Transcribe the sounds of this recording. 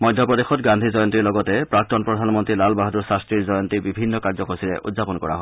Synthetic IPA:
mɔjdʱjɔpɔdexɔtɡandʱizɔjɔntiɹlɔɡɔtɛpɹak̚tɔnpɹɔdʱanmɔntɹilalbaɦduɹsastɹiɹzɔjɔntibibʱinːɔkaɹzɔkosiɹɛ̰ʔṵdzapɔnkɔ̰ɹa̰ɦɔ

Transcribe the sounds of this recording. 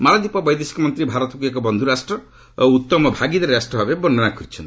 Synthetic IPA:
malad̪ipɔbɔjd̪esi̥kɔmɔnt̪ɾibʱaɾɔt̪ɔkuekɔbɔnd̪ʱuɾasʈɾɔ | ut̪ːɔmɔbʱaɡid̪eɾɾasʈɔɦɔbebɔnːɔnakʰɔɾit͡ʃʰɔnt̪i̥

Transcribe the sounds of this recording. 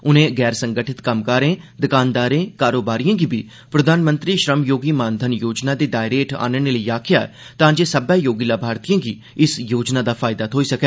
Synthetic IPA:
ʊnẽːɡɛːɾsə̃ŋɡəʈʰɪt̪kəmkəɾẽːd̪əkaːnd̪aːɾẽːkaːɾoːbaːɾijãːɡiːbiː | pɾəd̪ʱaːnmə̃nt̪ɾiːʃɾəmjoːɡiːmãːnd̪ʱənjoːd͡ʒnaːd̪eːɖaːɪɾeʈʰa̰ːnəneːləiːaːkʰɪjaːɛ̰ | t̪ãːd͡ʒeːsəbɛ̃ːjoːɡiːlaːbʱaːɾt̪ijãːɡiː | ɪsjoːd͡ʒnaːd̪aːpʰaːɪd̪aːt̪ʰoːiːsəkɛː

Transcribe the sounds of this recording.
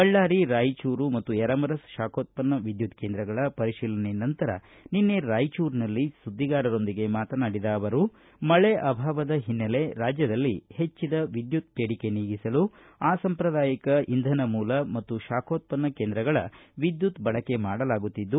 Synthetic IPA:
ɐɭːaːɾiɾaːjt͡ʃuːɾumɐt̪ːujɛɾɐmɐɾɐsʃaːkʰoːt̪̚pɐnːɐʋid̪jut̪ke̞ːnd̪ɾɐɡɐɭɐpɐɾiʃiːlɐnenɐnt̪ɐɾɐ̰ | ninːeɾaːjt͡ʃuːɾnɐlːisud̪ːiɡaːɾɐɾo̞nd̪iɡe̞maːt̪ɐnaːɽid̪ɐːʋɐɾu | mɐɭeʔɐbʱaːʋɐd̪ɐɦinːɐle̞ɾaːd͡ʒjɐd̪ɐlːihe̞t͡ʃːid̪ɐʋid̪jut̪̚peːɽike̞niːɡisɐlu | aːsɐmpɾɐd̪aːjikɐind̪ʱɐnɐmuːlɐmɐt̪ːuʃaːkʰoːt̪̚pɐnːɐke̞ːnd̪ɾɐɡɐɭɐ̰ʋid̪jut̪bɐɭɐkːe̞maːɽɐlaːɡut̪ːid̪ːu

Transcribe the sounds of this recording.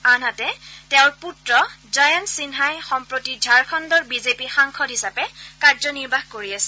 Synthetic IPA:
anatɛtɛʊɹputɹɔzajɔntsinɦajxɔmpɹotidʱaɹkʰɔndɔɹbizepixaŋkʰɔdɦisapɛkaɹzɔniɹbʱaxkoɹiasɛ̥

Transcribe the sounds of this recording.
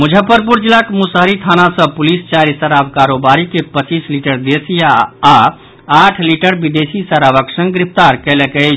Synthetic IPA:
mud͡ʒʱəpəɾp̬uɾd͡ʒilakmusɦəɾit̪ʰanasə̃pulist͡ʃaɾisəɾabkaɾobaɾikepət͡ʃisliʈəɾd̪esijaː | aʈʰliʈəɾbid̪esisəɾabəksə̃ŋɡɾipʰt̪aɾkɛlɛkət͡ʃʰ

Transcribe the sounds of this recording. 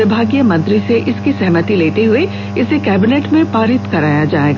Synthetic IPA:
ɪbʱaːɡijəmɐ̃nt̪ɾiseʔɪskisɛɦmət̪ileːt̪eɦʊe | ɪsekɛːbɪneːʈmẽpaːɾɪt̪kɐɾa̰ːjad͡ʒa̰ːeːɡaː

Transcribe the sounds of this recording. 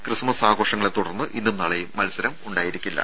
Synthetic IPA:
krɨsmɐsaːɡo̞ːʂɐŋːɐɭet̪ːuɽɐrnːɨʔinːumnɐɭɐjmɐlsɐɾɐmuɳɖaːjiɾikʲːilːɐ̰

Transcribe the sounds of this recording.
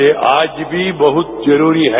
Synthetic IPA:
eʔaːd͡ʒbʱibɐɦʊt̪̚zɐɾuːɾiɦɛ

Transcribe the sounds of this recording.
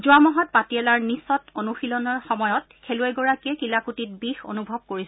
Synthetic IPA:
zʊamɔɦɔt̚patiɛlaɹnisɔtonuxilɔnɔɹxɔmɔjɔt | kʰɛlʊajɡɔɹakiɛkilakutit̚bixo̰nubʱɔb̚koɹisɛ

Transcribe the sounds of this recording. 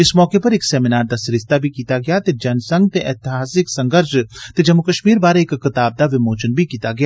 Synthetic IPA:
ɪsmɔːkepɐɾeksɛːminaːɾd̪asɾɪst̪abʱikiːt̪aɡɐjat̪ed͡ʒɐnsɐ̃ŋɡ̚t̪eʔɛːt̪ɪɦaːsɪksɐ̃ŋɡəɾʃt̪ed͡ʒɐmːʊkɐʃmiːɾbaːɾeːkːɪt̪aːb̚d̪aʋɪmoːt͡ʃənbʱikiːt̪aɡɐja

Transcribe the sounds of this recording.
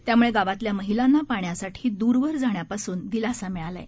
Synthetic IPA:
t̪jamuɭeɡaʋat̪ljaməɦilanːapaɳjasaʈʰiːd̪uɾʋəɾd͡zʱaɳjapasuːnd̪ilasamiɭala̰j

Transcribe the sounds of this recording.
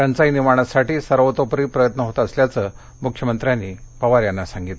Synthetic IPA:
ant͡sainimaɽ̃asaʈiːsəɾʋət̪opɾiːpɾəjət̪nəɦot̪əːsljat͡səː | mukʰjəmənt̪ɾjanːiːpəʋaɾjanːasaŋɡit̪

